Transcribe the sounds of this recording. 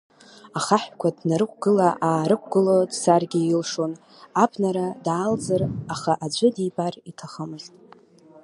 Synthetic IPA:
aχaħᶣkʷʰadnaɾɨkʷɡ̥ɨlaʔaːɾɨkʷʰʼɡ̥ɨlodsarɡʲɪilʂo̞n | abʰnaɾadaːld͡zɨraχaʔad͡ʒʷɨdibaritʰaχəmɨztʼ

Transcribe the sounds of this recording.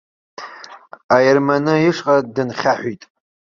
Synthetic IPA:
ajermanɨiʂqʼadɨnχʲaħᶣʷitʼ

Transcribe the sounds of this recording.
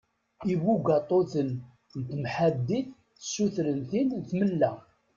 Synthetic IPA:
iwuɡɑt̪ˤoθən | nt̪mħad̪ːiθ | sːuθɾənθinθməlːæ

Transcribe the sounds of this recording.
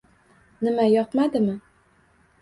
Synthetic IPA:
nɪmajɒt̪mad̪ɪmɪ

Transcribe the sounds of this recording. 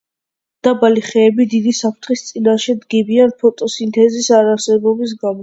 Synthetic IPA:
d̪̥abaliχɛːbid̪id̪isapʰɾt̪ʰχist̪sʼinaʃɛd̪ɡibianpʰɔt̪ʼɔsint̪ʰɛzisaɾaɾsɛbɔbis̬ɡamɔ

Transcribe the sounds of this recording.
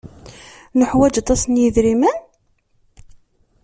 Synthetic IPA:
nəħwæd͡ʒɑt̪ˤːɑsnjiðɾimæn

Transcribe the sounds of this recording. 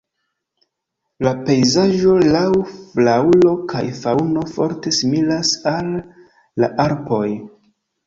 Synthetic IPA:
lape̞jzaʒo̞lawflaulo̞kʰa̰jfauno̞fo̞̰ɾte̞similasalː | a̰ʔaɾpo̞j

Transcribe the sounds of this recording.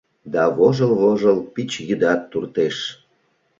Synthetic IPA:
d̪ɑβoʒəlβoʒəlpit͡ɕjyd̪ɑt̪ːurt̪eʃ

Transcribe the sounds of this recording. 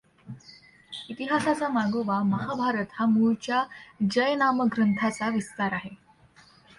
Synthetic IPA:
it̪iɦasasamaɡoʋaməɦabʱaɾət̪hamuɭt͡ɕjad͡ʑəjnaməɡɾənt̪ʰat͡saʋist̪aɾaɦe

